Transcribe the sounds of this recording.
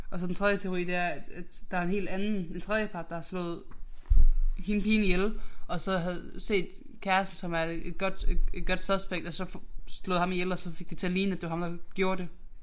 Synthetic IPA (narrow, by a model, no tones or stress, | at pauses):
ʔɒ̽sɒ̽d̥en̩t͡sʰʁɛðˠjət͡sʰe̝oʁḭːd̥e̝æɐ̥æ̥d̥ɑæɐe̝nɦe̝̰ːld̥ænn̩e̝nt͡sʰʁɛðˠjəpʰɑ̈d̥ːɑhɑ̈slɔ̰̽ːð̞̩ˠ | hinpʰiːnijelʔɒ̽sɒ̽ɦæð̩ˠse̝̰ːd̥kʰæɐsd̥əsɒ̽mæɐe̝d̥ɡ̥ɒ̽d̥e̥ed̥̚ɡ̥ɒ̽d̥sæðˠsb̥eɡ̥d̥ɒ̽sɒ̽fslɔːð̩ˠhɑ̈mijelɒsɒ̽fe̝ɡ̥̚d̥it͡sʰe̝ɐliːn̩əæd̥e̝ʋɑ̈hɑ̈md̥ɑ̈ɡ̥jo̝ːɐd̥e̝